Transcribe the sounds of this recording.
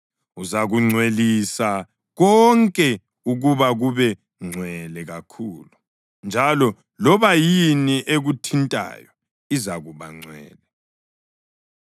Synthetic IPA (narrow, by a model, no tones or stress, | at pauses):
uzaɣuŋ͡ǀʱwelisa | ɣɔŋkʼɛ | uɣuβaɣuβɛ | ŋ͡ǀʱwɛlɛɣakʰuːlu | nd͡ʒʱalɔ | lɔβajiniʔeɣutʰintʼa̰ːjɔ | izaɣuβa̰ŋ͡ǀʱwɛ̰ːlɛ